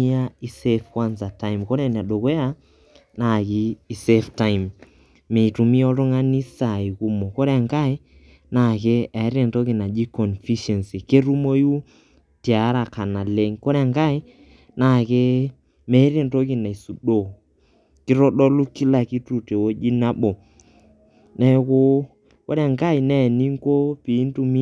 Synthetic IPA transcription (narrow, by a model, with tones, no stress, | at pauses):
a˦i˦se˦fkwa˦nsa˨ta˦i˨mkɔ˦ɾa˦˨n˨a˨ɗo˨ɣo˦a˦ | na˨ki˦i˨se˦fta˦i˨m | me˨i˨tu˨mi˦ɔ˦ɾɔ˦ŋa˦ni˦sa˨i˨ku˦mo˨kɔ˦ɾɛ˦a˨ŋɡa˦e˦ | na˨ke˦a˨˦ɾe˨ntɔ˦ki˨na˨d͡ʒi˦kɔ˨nfi˦ʃɛ˨nsi˨ke˦ɾu˦mo˦ju˦ | tja˨˦ɾa˨ka˨na˨le˦ŋko˦ɾɛ˨ŋɡa˦i˦ | na˨ke˦ | me˨˦ɾe˨nto˦ki˨na˨i˨su˨ɗo˨ | kɪ˦ɾɔ˦ɗɔ˦lu˦ki˦la˨ki˦tu˨te˨wo˦d͡ʒi˦na˦ɓo˨ | nɛ˦ko˦ | ko˦ɾɛ˨ŋka˦ɪ˨nɛ˨ni˦ŋ˦ko˦pi˨˦n˦tu˦mi˦